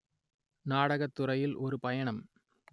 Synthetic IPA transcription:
naːɽɐɣɐt̪ːʊrɐjɪlʔɔɾɯpɐjɐɳɐm

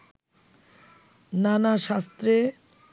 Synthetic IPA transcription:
nanaʃast̪ɾe

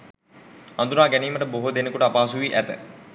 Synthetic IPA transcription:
ɐnd̪unaːɡæniːməʈəboɦod̪enekuʈəapaːsuʋiːʔæt̪ə

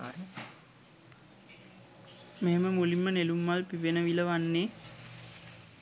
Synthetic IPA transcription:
meɦeməmulimːənelumːalpiʋenəʋiləʋanːeː

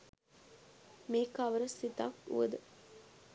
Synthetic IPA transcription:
meːkaʋəɾəsit̪a̰kṵʋə̰d̪ə

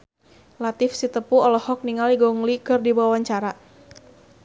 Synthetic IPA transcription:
lat̪ɪfsit̪əpuɔlɔhɔk̚niŋaliɡɔŋlikɨrdibawawaɲt͡ʃaɾa

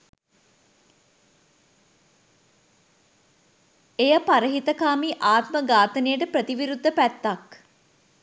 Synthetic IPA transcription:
ejəpaɾəɦit̪əkaːmiʔaːt̪məɡaːt̪ənejəʈəpɾət̪iʋiɾud̪ːəpæt̪ːak

